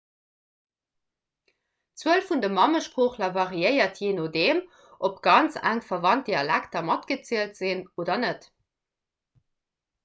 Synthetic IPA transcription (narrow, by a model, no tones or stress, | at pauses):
t͡swuəlfundəmɑməʃpʁoːχlɐvɑʁiəɪɐtʰjeːnodeːm | ʔopɡ̥ɑnt͡sæ̰ŋfɐvɑnt̚deɑlæktɐmɑtɡ̥ət͡siəltz̥inoːdɐnət